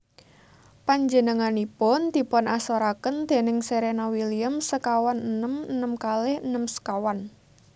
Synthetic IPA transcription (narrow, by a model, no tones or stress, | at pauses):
paɲd͡ʒənəŋanipʊnd̪̥i̤pɔnasoɾakənd̪̥e̤nɪŋseɾenawiliəmsəkawanənəmənəmkalɪhənəmsə̥kawan